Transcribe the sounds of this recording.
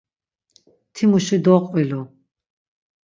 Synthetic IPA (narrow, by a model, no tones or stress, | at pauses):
t̪ʰimuʃid̪ɔqʼvilɔ